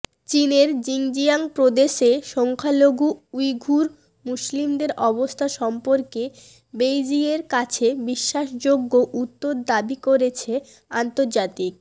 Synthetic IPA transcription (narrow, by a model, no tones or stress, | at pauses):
t͡ɕineɾd͡ʑiŋd͡ʑiaŋpɾod̪eʃeʃɔŋkʰaloɡuujɡʱuɾ | muslimd̪eɾʔɔbost̪ʰaʃɔmpoɾke | bejd͡ʑieɾkat͡ɕʰebiʃːaʃd͡ʑoɡːoʔut̪ːoɾd̪abikoɾet͡ɕʰe | ant̪oɾd͡ʑat̪ik̚